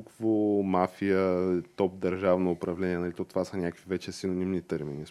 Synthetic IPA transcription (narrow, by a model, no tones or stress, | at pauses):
kvomafijət̪ɔp̚d̪ɐɾʒavnoːpɾɐvlɛniɛnɐlit̪ɔt̪ovasɐnʲakəkvivɛt͡ʃɛsinonimnit̪ɛɾminis